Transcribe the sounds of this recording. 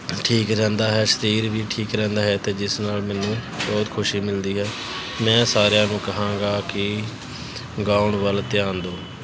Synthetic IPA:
ʈʰiːkɾɛ̃ːnd̪aːɦɛːsəɾiːɾʋiːʈʰiːkɾɛ̃ːnd̪aːɦɛːt̪eːd͡ʒɪsnaːlmɛːnũːbɔːt̪kʰʊʃiːmɪld̪iːɦɛː | mɛ̃ːsaːɾjãːnũːkəɦãːŋɡaːkɪ | ɡaːʊɳʋəlt̪ɪjãːnd̪oː

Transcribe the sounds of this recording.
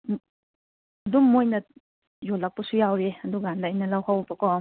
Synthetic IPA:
dumːojnɐ | jolːak̚pɐsujawɾeɐduɡandaːjnɐlawhawbɐkɔ

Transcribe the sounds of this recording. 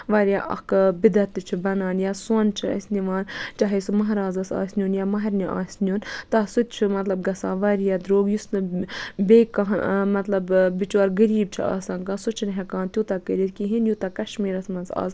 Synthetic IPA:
ʋaːɾjaʔɐ̰kbid̪ɐt̪ːɨt͡ʃʰibɐnaːnjaːsont͡ʃʰiɐ̰sʲniʋaːnt͡ʃaɦɐsumɐɦɾaːzɐsa̰ːsʲnʲjuːnjaːmɐɦɐɾniʔa̰ːsʲnʲjuːnt̪ɐsut̪t͡ʃʰimɐt̪lɐbɡɐsa̰ːʋaːɾjad̪ɾoːɡjusnɨbeːkaɦmɐt̪lɐbbit͡ʃaːɾɡɐɾiːb̚t͡ʃʰia̰ːsaːnkaːsut͡ʃʰinɦʲɐkaːnt̪jut̪akəɾʲiɾkiɦinjut̪akɐʃmiːɾɐsmɐnza̰ːz

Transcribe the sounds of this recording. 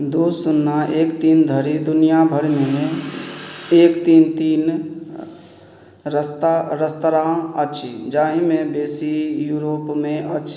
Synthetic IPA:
d̪oːsʊnːaʔeːkt̪iːnd̪ʱəɾid̪ʊnijabʱəɾmẽmẽ | eːkt̪iːnt̪iːn | ɾəst̪aɾəst̪ɾãətːʃʰid͡ʒãːɦĩmẽbeːsijuːɾoːpmẽʔətːʃʰ

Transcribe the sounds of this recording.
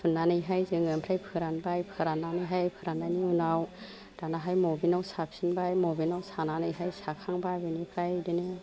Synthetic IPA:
sunːanɯjɦajzɯŋɯnpʰɾajpʰɯɾanbajpʰɯɾananɯjɦajpʰɯɾananiunaw | d̥anaɦajmɔbinawsap̚sinbajmobinawsananɯjɦajsakʰaŋbabɯnipʰɾajdɯnɯ

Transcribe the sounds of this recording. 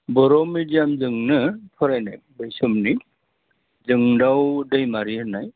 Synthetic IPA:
bɔɾɔmidijamzɯŋnɯpʰɔɾajnaj | bəjsɔmni | zɯŋdawdəjmaɾiɦɯnaj

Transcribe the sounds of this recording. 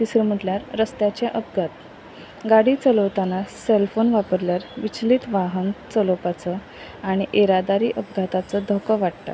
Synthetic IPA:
t̪isɾəm̤əʈljaɾːəst̪jat͡ɕjaʔəpɡʱat̪̚ | ɡaɽiːt͡səlot̪anaselfonʋapəɾljaɾʋit͡ɕliːt̪ʋaɦənt͡səlopat͡sə | aɽ̃iʔeɾad̪aɾiːʔəpɡʱat̪at͡səd̪ʱɔkəʋaɽt̪a̰

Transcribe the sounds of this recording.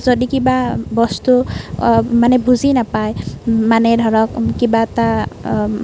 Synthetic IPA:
d͡zɔd̪ikibabɔst̪u | manebud͡zinapajmanedʱɔɾɔkkibat̪a

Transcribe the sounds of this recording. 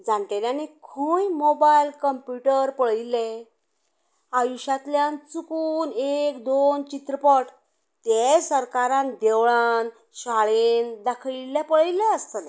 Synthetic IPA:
d͡zãɳʈ̪eljãnekʰujmobajlkəmpjuʈəɾpəɭile | ajuɕat̪ljãnt͡sukunekd̪ont͡ɕit̪ɾəpəʈ | t̪esəɾkaɾãnd̪eʋɭan | ɕaɭend̪akʰɭilepəɭilɛəst̪əne

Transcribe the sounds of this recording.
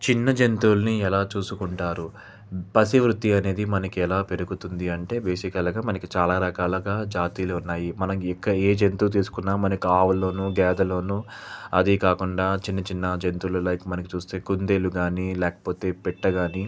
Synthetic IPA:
t͡ʃinːɐd͡ʒe̞nt̪uːlɐniɛlaːt͡ʃuːsukuɳʈaːɾu | pɐsiʋɾut̪ːiɐne̞ːd̪imɐnɐkiɛlaːpe̞ɾuɡut̪und̪iɐɳʈe̞ːbeːʃikɐlɐɡaːmɐnɐkit͡ʃaːlaːɾɐkaːlɐɡaːd͡ʒaːt̪iːluunːaːjimɐnɐikːɐeːd͡ʒe̞nt̪uːt̪̬iːsu̥kunːaːmɐnɐkiaːʋulo̞ːnuɡɛːd̪ɐlo̞ːnuːɐ̰d̪ikaːkuɳɖaːt͡ʃinːɐt͡ʃinːɐd͡ʒent̪uːlulɐjkumɐnɐkit͡ʃuːst̪e̞ːkund̪e̞ːluɡaːnilɛːkɐ̥po̞ːt̪e̞ːpɛʈːɐɡaːni

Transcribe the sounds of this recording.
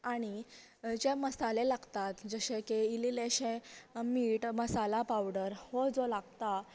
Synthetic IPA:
aɽ̃i | d͡ʑeməsalelaɡt̪at̪d͡zəɕekeilileɕẽmiːʈməsalapawɽəɾhod͡zolaɡt̪a

